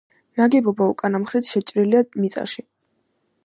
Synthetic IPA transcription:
naɡɛbɔbaṵkʼanamχɾit̪ʰʃɛt͡ʃʼɾiliamit̪sʼa̰ʃi

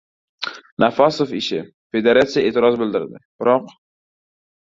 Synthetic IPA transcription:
nafɑsofɪʃɪ | fe̞d̪eɾat̪sijaʔeːt̪ʰɪɾɒzbɪld̪ɪɾd̪ɪ̰b̥ɪɾɒq

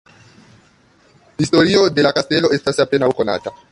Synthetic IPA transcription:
histo̞ɾio̞de̞lakaste̞lo̞e̞stasape̞nawko̞na̰ta

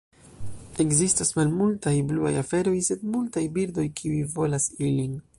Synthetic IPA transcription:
e̞kzistasmalmultajblua̰jafe̞ɾo̞jse̞dmultajbiɾdo̞jkʰiujvo̞lasilin

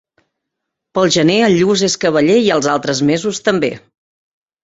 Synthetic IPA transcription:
pəlˠʒəneəʎuzeskəβəʎeiəlˠzalˠt̪ɾəzmezust̪əmbḛ

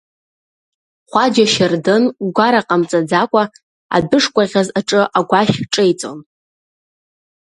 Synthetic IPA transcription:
χʷad͡ʒaʃɪrdɨnɡʷaɾaqʼamt͡sʼad͡zakʷʼa | a̰dɨʂkʷʼaʁʲazaʈ͡ʂʼɨʔaɡʷaʃʲʈ͡ʂʼejt͡sʼo̰n

